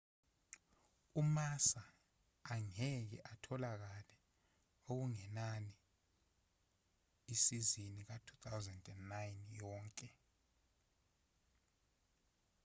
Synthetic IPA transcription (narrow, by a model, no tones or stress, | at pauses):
umasaː | ŋɛk̬ɛ̰ʔatʰɔlak̬alɛ | ok̬uŋɛnani | isizinik̬atʰut̪ʰawzɛndɛndːajnjɔːŋkʼɛ